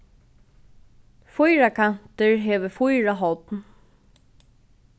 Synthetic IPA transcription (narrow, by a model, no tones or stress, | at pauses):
fujɹakʰan̥t̪əɹɦeːʋəfʊjɹaɦɔt̪n